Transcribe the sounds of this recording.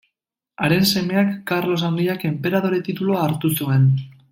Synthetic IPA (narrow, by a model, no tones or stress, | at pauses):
aɾe̞nse̞me̞akːaɾlo̞saŋɡiake̞mpe̞ɾað̞o̞ɾe̞t̪it̪uloaːɾt̪usue̞n